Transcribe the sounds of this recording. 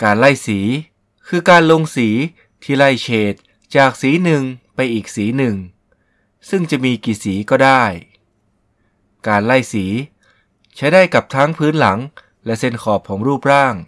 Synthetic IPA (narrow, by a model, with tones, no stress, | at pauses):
kaː˧nla˥˩jsiː˩˦ | kʰɯː˧kaː˧nlo˧ŋsiː˩˦ | t̪ʰːiː˥˩la˥˩jt͡ɕʰeː˨˩t̪̚ | t͡ɕaː˨˩k̚siː˨˩˦nɯ˨˩ŋpa˧jʔiː˨˩k̚siː˩˦nɯ˨˩ŋ | sɯ˥˩ŋt͡ɕa˨˩ʔmiː˧kiː˨˩siː˩˦kɔː˥˩daː˥˩j | kaː˧nla˥˩jsiː˩˦ | t͡ɕʰa˦˥jdaː˥˩jka˨˩p̚t̪ʰaː˦˥ŋpʰɯː˦˥nla˩˦ŋ | lɛ˧˥ʔse˧˩nkʰɔː˨˩p̚kʰɔː˩˦ŋɾuː˥˩p̚ɾaː˥˩ŋ